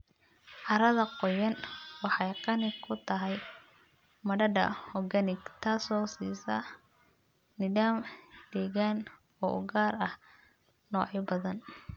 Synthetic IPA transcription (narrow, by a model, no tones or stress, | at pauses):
ʔɑɾɐðɐqɔjɐnwɑħɑjqɑnɪkʰʊt̪ʰɐɦɛj | mɐɖɐɖɐ̰hɔɡɐnɪɡt̪ʰaːsɔːsḭːsɐ | nɪɖaːmd̪̥ɛːɣaːn | ɔːʔʊ̰ɡaːrɐh | nɔːʕɪbɐðɐn